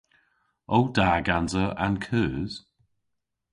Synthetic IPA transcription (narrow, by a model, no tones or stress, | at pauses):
owdaːɡanzəa̰nkʰəːz̥